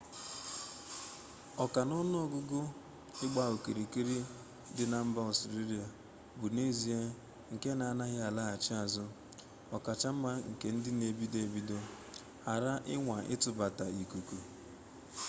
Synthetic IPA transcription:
ɔ˨ka˨nɔ˦nʊ˦o˨ɡʊ˦ɡʊ˦ | ɪ˦ɡ͡ba˦o˨ki˨ɾi˨ki˦ɾi˦ | dɪ˦na˨m̩˦ba˦ɔ˨si˨ɾi˦ɾi˨a˨ | bu˨ne˦zi˨e˦ | ŋ̩˨ke˦na˨na˦ɣɪ˦a˨la˦a˨t͡ʃɪ˦a˨zʊ˦ | ɔ˨ka˨t͡ʃa˦m̩˦ma˦ŋ̩˨ke˨n̩˦dɪ˦ne˨bi˦de˨bi˦do˦ | ha˨ɾa˦ʔɪ˦ŋʷa˨ʔɪ̰˦tʊ˨ba˨ta˨i˨ku˨ku˨

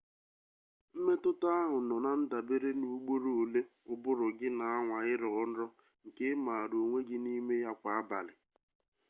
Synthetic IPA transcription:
m̩˦me˦tʊ˦ta˦a˦ɦʊ˨nɔ˨na˨n̩˦da˨be˦ɾe˦nu˦ɡ͡bo˦ɾo˨le˦ʊ˨bʊ˦ɾʊ˨ɡɪ˦na˨a˦ŋʷa˨ɪ˦ɾɔ˦n̩˦ɾɔ˦ | ŋ̩˨ke˦ma˨ɾo˨ŋʷe˦ɡɪ˦ni˦me˦ja˦kʷa˨a˦ba̰˨lɪ˨

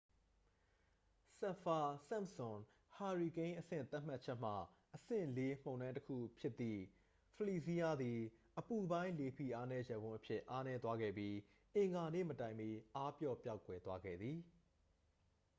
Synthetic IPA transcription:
sɛ˨fa˨sã˦˨msʊ̃˨n | ha˨ɹi˨kẽ˦ɪ̃ʔəsɪ̰̃˦˨t̪a˦ʔm̥a˦tt͡ɕʰɛ˦ʔm̥a̰˦˨ | ʔəsɪ̰̃˦˨le˦m̥õ˨ʊ̃nã˦təkʰṵ˦˨pʰjɪ˦t̪ːḭ˦˨ | pʰəli˨si˦ja˦d̪i˨ʔəpu˨bã˦ɪ̃le˨pʰḭ˦˨ʔa˦nɛ˦jɛ˨bʊ̃˦ʔəpʰjɪ˦ʔa˦nɛ˦t̪wa˦ɡɛ̰˦˨bji˦ | ʔɪ̃˨ŋɡa˨nḛ˦˨mətã˨ɪ̃mi˦ʔa˦pjɔ˦˨pja˦ʊkwɛ˨t̪wa˦ɡɛ̰˦˨d̪ði˨

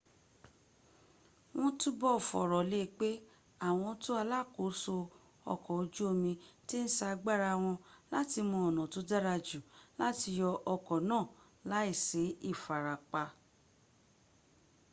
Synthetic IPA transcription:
w̃ɔ̃˦tu˦bɔ˦˨fɔ̰˨ɾɔ˨le˦˧˦k͡pe˦ | a˦˨w̃ɔ̃˧to˦a˧la˦˨ko˨˦so˧ | ɔ̰˧kɔ˨o˧d͡ʒu˦o˧mĩ˧ti˦n̩˦sa˧ɡ͡ba˦ɾa˧w̃ɔ̃˧la˦ti˧mɔ̃˧ɔ˨nã˨to˨˦da˦ɾa˧d͡ʒu˨la˨˦ti˧jɔ˧ʔɔ˧kɔ˨nãː˦˨ | la˨˦i˦˨se˨˦i˦˨fa˨ɾa˨k͡pa˧

